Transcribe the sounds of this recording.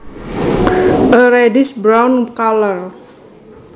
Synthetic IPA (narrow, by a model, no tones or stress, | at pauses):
əɾedɪsbɾawnkalər